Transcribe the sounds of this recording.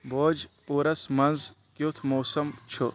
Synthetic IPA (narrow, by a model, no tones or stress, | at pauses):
boːd͡ʒpuːɾɐsmɐnz | kjut̪ʰmoːsɐmt͡ʃʰu